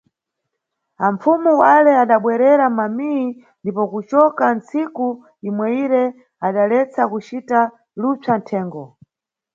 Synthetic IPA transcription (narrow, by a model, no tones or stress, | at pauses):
aɱfumuwalɛaɗaɓwɛɾɛɾamamii | ndipɔkut͡ʃɔkant͡siku | imwɛiɾɛ | aɗalɛt͡sakut͡ʃita | lut͡santʰɛːŋɡɔ